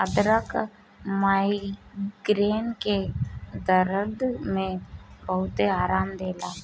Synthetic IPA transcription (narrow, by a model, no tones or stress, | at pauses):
əd̪ɾək | maːiɡɾeːnked̪əɾəɾd̪mẽbəɦʊt̪eaːɾaːmd̪eːlaː